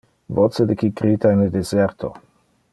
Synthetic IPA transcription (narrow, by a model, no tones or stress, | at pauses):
vot͡sed̪ekikɾit̪aened̪ezeɾt̪ʰo̰